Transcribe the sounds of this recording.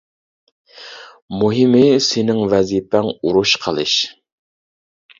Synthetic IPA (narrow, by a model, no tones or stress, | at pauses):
muɦɪmɪsɪnɪŋvɛzipɛŋuɾuʃqʰəlˠɨʃ